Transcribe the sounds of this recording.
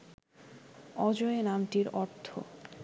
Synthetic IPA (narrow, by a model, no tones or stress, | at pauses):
ɔd͡ʑoenamʈiɾɔɾt̪ʰo̰